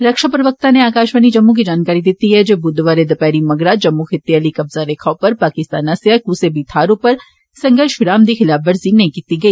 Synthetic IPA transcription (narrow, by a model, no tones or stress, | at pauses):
ɾɐkʃapɾɐʋək̚t̪aneaːkaːʃʋanid͡ʒɐmːũk̬id͡ʒaːnkaːɾid̪ɪːt̪iɦɛd͡ʒoːbʊd̪ʋaːɾed̪ɐpɛːɾimɐɡɽad͡ʒɐmːũxʰɪt̪ːialikɐbzaɾeːkʰãpɐɾpaːkɪst̪aːnaseakuːsebit̪ʰaːɾõpɐɾ | sɐ̃ŋɡəʃʊɾaːmd̪ixɪlaːbʋɐɾzinɐɦĩkiːt̪iɡɐiː